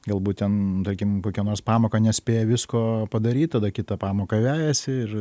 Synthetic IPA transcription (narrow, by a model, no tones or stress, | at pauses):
ɡɐlˠbuːt̚t̪ʲɛnt̪ɐrʲkʲɪmkoːkʲɛnoːrspɑːmoːkɐnʲɛsʲpʲeːjɛʋʲɪskoːpɐd̪ɐɾʲiːt̪̚ʲt̪ɐd̪ɐkʲɪt̪ɐpɑːmoːkɐʋʲæːjɛsʲɪɪr